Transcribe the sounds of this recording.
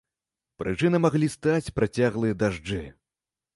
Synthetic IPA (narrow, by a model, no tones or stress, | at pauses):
pɾʔɨt͡ʂɨnɐmaɣlʲist̪at͡sʲpɾat͡sʲaɣlˠɨjɐd̪aʐd͡ʐɨ